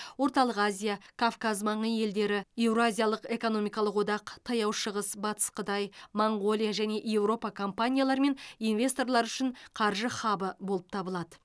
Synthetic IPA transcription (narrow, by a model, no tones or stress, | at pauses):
wo̞ɾt̪ɑlˠəqazʲijakʰafkazmɑɴəje̞ld̪e̞ɾɪe̞wɾoazʲijalˠəqe̞ko̞no̞mijkɑlˠəqwo̞d̪ɑqt̪ʰɑjɑwʃəʁəsbɑt̪ə̥sqʰət̪ɑjmoɴʁo̞lʲˠijaʒæne̞ʔje̞wɾo̞pɑkʰo̞mpanʲijalˠɑɾme̞nijnve̞st̪o̞rlˠɑɾʏʃɪɴqʰɑɾʒəχɑbəbolˠəp̚t̪ʰɑbəlˠɑd̪ə